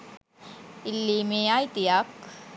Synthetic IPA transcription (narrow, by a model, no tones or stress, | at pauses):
ɪlːimeaːjt̪ijak